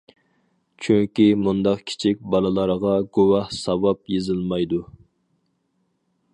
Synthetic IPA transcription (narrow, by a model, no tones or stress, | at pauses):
t͡ʃʰyŋkʲimund̪ɑqkʲʰi̥t͡ʃʰik̚ʲbɑlˠɨlˠɑɾʁɑɡowɑhsɑwɑpjezɨlˠmɑjd̪u